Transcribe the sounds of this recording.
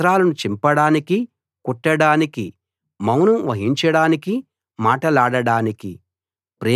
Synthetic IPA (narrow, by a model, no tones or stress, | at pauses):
ɾaːlɐnut͡ʃimpɐɽaːniki | kuʈːɐɽaːniki | mɐwnɐmʋɐɦiɲt͡ʃɐɽaːniki | maːʈɐlaːɽɐɽaːniki | pɾeː